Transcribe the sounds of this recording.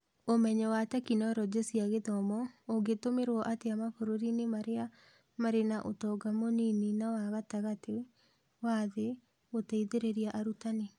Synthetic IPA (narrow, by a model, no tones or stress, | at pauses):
omɛɲɛwatakinɔɾɔd͡ʑesiaɣeðɔmɔoɡetomeɾwɔʔateamakoɾoɾinemaɾea | maɾenaʔotɔɡamonininawaɣataɣate | waðe | otaiðeɾeɾiaʔaɾutane